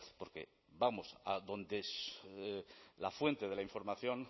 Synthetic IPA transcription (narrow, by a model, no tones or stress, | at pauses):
po̞ɾke̞̰ | bamosaðõ̞nd̪es | lafwe̞nt̪eð̞e̞laiɱfo̞ɾmaθjõ̞n